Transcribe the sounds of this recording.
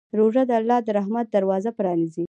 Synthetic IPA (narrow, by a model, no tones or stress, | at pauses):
ɾoʐad̪əalːɑd̪əɾaɦmat̪̚d̪aɾwɑzapɾɑnizi